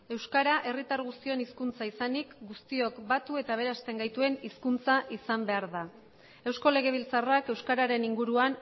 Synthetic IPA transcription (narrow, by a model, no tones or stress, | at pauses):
e̞wskaɾaʔe̞rit̪aɾɣ̞ust̪io̞niskunt͡saisanikɡust̪io̞kbat̪ue̞t̪aβ̞e̞ɾast̪e̞ŋɡajt̪ue̞niskunt͡saʔisambe̞aɾða | e̞wsko̞le̞ɣ̞e̞β̞ilt͡sarake̞wskaɾaɾe̞niŋɡuɾuan